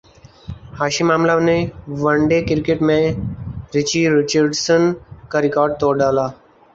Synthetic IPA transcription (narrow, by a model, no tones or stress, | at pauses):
haɕimamlaʋneʋəɳɖekiɾkeʈmẽ | ɾit͡ɕiɾit͡ɕəɾɖsənkaɾikaːɾɖ̚t̪oɾɖala